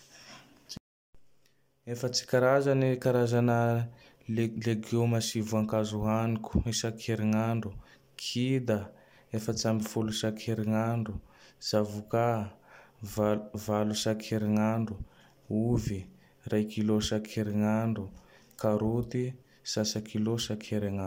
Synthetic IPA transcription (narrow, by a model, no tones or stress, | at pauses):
efət͡si̥kaɾazanikaɾazanə | leɡomasivuaŋkazuaniku̥isakʰeɾiŋaɳɖ͡ʐu | kʰid̪a | efət͡sambifulusakʰeɾiŋaɳɖ͡ʐuz̥avuka | vvalusakʰeɾiŋaɳɖ͡ʐu | uvi | rajkilosakʰeɾiŋaɳɖ͡ʐukaɾut̪i | sasakilosakʰeɾiŋa